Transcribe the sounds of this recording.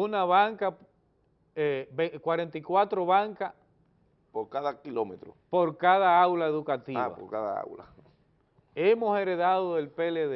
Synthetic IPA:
unaβaŋka | ebekwaɾent̪ikwat̪ɾoβaŋka | poɾkaðakilomet̪ɾo̰poɾkaðaawlaeðukat̪iaβa̰o̰ɾkaða̰a̰wla̰ | emoseɾeðaðoelpeleð

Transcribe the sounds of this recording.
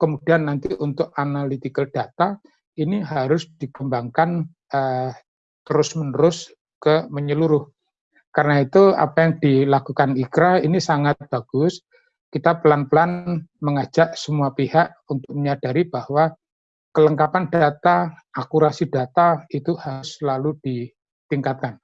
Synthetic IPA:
kəmud̥ianːant̪iʔunt̪ʊk̚analit̪ikəd̥at̪a | iniɦaɾʊsd̥ikəmbaŋkan | ə | t̪əɾʊsmənəɾʊs | kəməɲəluɾʊh | kaɾənait̪ua̰pajaŋd̥ilakukanikɾainisaŋat̪̚b̥aɡ̥ʊs | kit̪apəlanpəlanməŋad͡ʒ̥aʔsəmuapihaʔ | unt̪ʊk̚məɲad̥aɾib̥ahwa | kələŋkapand̥at̪aʔːkuɾasidat̪ait̪uhaɾʊsəlalud̥i | t̪iŋkat̪̚kan

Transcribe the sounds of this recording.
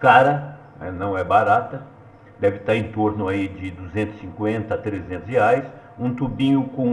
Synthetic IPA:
kaɾɐ | nɛ̰nɐ̃w̃ɛbaɾat̪ɐ | d̪ɛvɪt̪aɾẽnt̪oɾnʊaid͡ʒɪd̪uzẽnt̪ʊ̥sĩŋkwẽnt̪ɐt̪ɾezẽnt̪ʊsheajs | ũt̪ubĩɲʊkõ

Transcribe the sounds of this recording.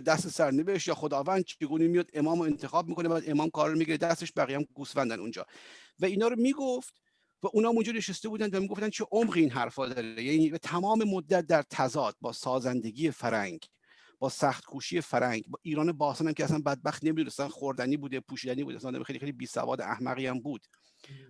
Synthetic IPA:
d̪æst̪esæɾneveʃt̪jɒːxod̪ɒːvænd̪̥̚t͡ʃʰeɡuːnemijɒːd̪e̞mɒːmoe̞nt̪ʰexɒːb̚miːkonebæːd̪emɒːmkʰɒːɾɾomiɡiɾed̪æst̪eʃbæɣijæmɡuːsvænd̪ænṵnd͡ʒɒ̰ːvæiːnɒːɾomiːɡoft̪ | væuːnɒːmund͡ʒɒːne̞ʃest̪e̞buːd̪ænvæmiɡo̞ft̪ænd̪t͡ʃʰeʔomʁiiːnɦæɾfɒːd̪ɒːɾejæniːvæt̪ʰæmɒːme̞mod̪ːæt̪̚d̪æɾt̪ʰæzɒːd̪̥̚bɒːsɒːzænd̪e̞ɡiːefæɾæ̰ŋɡ | b̥ɒːsæxt̪kʰuːʃijefæɾʔæŋɡbɒːʔiːɾɒːnebɒːsɑːnæmcʰeæsænbæd̪̚bæxt̪nemiːd̪unest̪ænxoɾd̪æniːbuːd̪epʰuːʃiːd̪ænibṵːd̪̰æsænɒːd̪æ̰mxejliejlibiːsæ̰vɒ̰ːd̪ḛʔæ̰hmæ̰ɣiːæmbuːd̪̥

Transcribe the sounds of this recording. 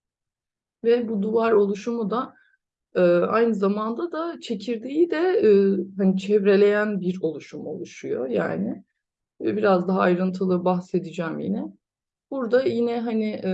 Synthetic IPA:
vɛbud̪uvaɾo̞lˠuʃumud̪a | ɯːajnɯzamand̪ad̪at͡ʃʰe̞cʰiɾd̪ejid̪ɛː | ɦanit͡ʃʰɛvɾe̞lʲe̞jænbiɾo̞lˠuʃumo̞̰lˠuʃujo̞̰ja̰ːnɪ | ɛbiɾazd̪aɦaːjɾɯnt̪ʰɯlˠɯbahse̞d̪id͡ʒɛːmjḭnɛ | b̥uɾd̪ajinɛɦanɪʔ

